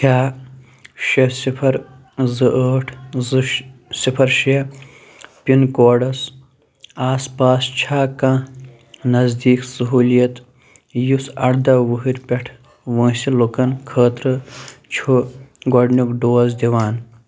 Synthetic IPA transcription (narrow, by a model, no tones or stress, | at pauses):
kʰaː | ʃɐsipʰɐɾ | zɨʔəːʈʰzɨsipʰɐɾʃiɐ | pinkoːɖɐs | aːspaːst͡ʃʰaːkã | nɐzd̪iːksɐɦuːlijɐt̪ | jusɐɽd̪ɐwuɦiɾpʲeʈʰ | ʋə̃ːsilukɐnkʰəːt̪ɾɨt͡ʃʰuɡoɖnukɖoːzd̪iwaːn